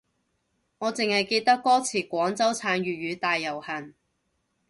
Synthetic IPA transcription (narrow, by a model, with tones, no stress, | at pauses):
ŋɔː˨˧t͡sɪ˨ŋhɐ˨jke˧jt̪ɐ˥kːɔː˥t͡sʰiː˨˩kʷɔː˨˥ŋt͡sɐ˥wt͡sʰaː˨˥nɥyː˨ɥyː˨˧t̪aː˨jːɐ˨˩whɐ˨˩n